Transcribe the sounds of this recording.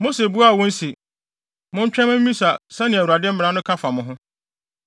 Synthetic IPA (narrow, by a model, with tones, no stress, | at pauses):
mo˦se˨bu˦a˦˨wʊ̃˦n̩˦si˨ | mʊ̃˦ɲ̩˦t͡ɕᶣɛ̃˦mʊ̃˦m̩˦mĩ˦sa˨sɛ̃˦nɪ̃˨æ˨wu˨a˨dɪ˦m̩˦mɪ̃˨ã˦nʊ̃˦kʰa˦fa˨mʊ̃˨ɦʊ̃˦